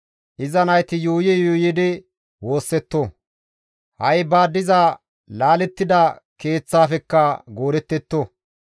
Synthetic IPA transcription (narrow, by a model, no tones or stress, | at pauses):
ʔɪzɐnɐjt̪ɪjuːjɛjuːjɪd̪ɪ | wo̞ːsːɛt̪ːo | hɐjbaːd̪ːɪzɐ | laːlɛt̪ːɪd̪ɐke̞ːt͡sːaːfɛkːɐɡoːɾɛt̪ːɛt̪ːo